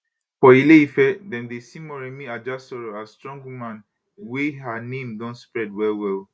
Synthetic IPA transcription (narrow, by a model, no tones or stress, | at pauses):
fɔileifɛdɛ̃ndesĩmɔɹɛmĩad͡ʒasɔɹoastɹɔ̃ŋɡwumãn | weɦanẽmdɔ̃ntspɹɛdwɛlwɛl